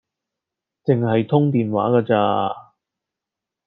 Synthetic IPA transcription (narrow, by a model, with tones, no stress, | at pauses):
t͡sɪ˨ŋɦɐ˨jt̪ʰʊ˥ŋt̪iː˨˩nwa̰ː˨˥kɐː˧t͡sa̰ː˧